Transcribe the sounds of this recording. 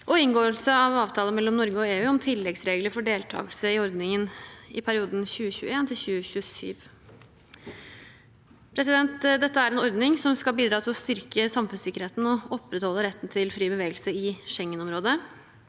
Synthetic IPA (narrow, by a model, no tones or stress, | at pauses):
ʔɔɪnɡoːəlsəɑʋɑːʋt̪ʰɑːlənmɛlːɔmnɔɾɡəɔeːʉːɔmt̪ʰɪlːɛɡsɾeːɡləɾfɔɖeːlt̪ʰɑ̰ːɡəlsəɪɔɾd̪nɪŋənɪpʰæɾɪuːd̪n̩çʉːəçʉːəeːnt̪ʰɪlçʉːəçʉːəsy̰ːʋ | pʰɾɛsɪd̪ɛnt̪d̪ɛt̪ːəæɾɛnɔɾd̪nɪŋsɔmskɑlbiːd̪ɾɑːt̪ʰɪlɔst̪ʏɾkəsɑmfʉnsɪkəɾheːt̪n̩ɔɔpːɾət̪hɔlːəɾɛt̪ːn̩t̪ʰɪlfɾiːbəʋeːɡəlsəɪʂɛŋːənɔmɾoːd̪ə